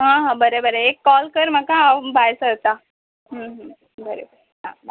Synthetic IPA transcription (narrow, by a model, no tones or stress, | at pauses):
ɦãɦãbəɾebəɾeekːɔlkəɾm̤əkabʱajsət̪a | ɦə̃ɦə̃ | bəɾebəɾeɦã̰ba